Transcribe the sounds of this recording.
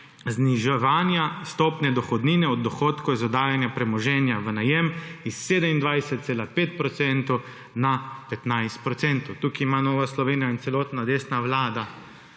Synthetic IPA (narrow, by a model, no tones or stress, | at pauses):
zniʒɛʋaːnjast̪ɔːpnɛd̪ɔxɔd̪niːnɛɔd̪̚ːɔxoːt̪kɔzɔd̪aːjanjapɾɛmɔʒɛːnjaʋənajɛmisːeːd̪əmind̪ʋajsɛt̪̚seːlapeːt̪̚pɾɔt̪sɛnt̪ɔw | napɛt̪najst̪̚pɾɔt̪sɛnt̪ɔwt̪uːkiːmanoːʋaslɔʋeːnijaint̪ɛlɔːt̪nad̪eːsnaʋlaːd̪a